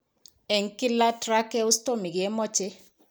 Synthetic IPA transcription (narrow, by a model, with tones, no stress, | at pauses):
ɛ˨ŋ˨ki˦la˦tɾa˦kɛ˦u˦sto˦mi˨ɡe˨˦mɔ˦t͡ʃe˦